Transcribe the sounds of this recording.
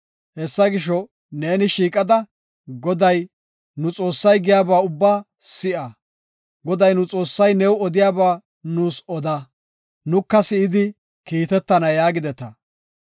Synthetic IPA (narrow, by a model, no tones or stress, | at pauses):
hɛsːɐɡɪʃ̬ɔ | ne̞ːnɪʃiːkʼɐd̪ɐ | ɡɔd̪ɐj | nʊt͡sʼo̞ːsːɐjɡɪjaːbaːʊbːaː | sɪʔɐ | ɡɔd̪ɐjnʊt͡sʼo̞ːsːɐjnɛwɔd̪ɪjaːbaː | nuːsɔd̪ɐ | nʊkːɐsɪɪd̪ɪ | kiːt̪ɛt̪ːɐnɐjaːɡɪd̪ɛt̪ɐ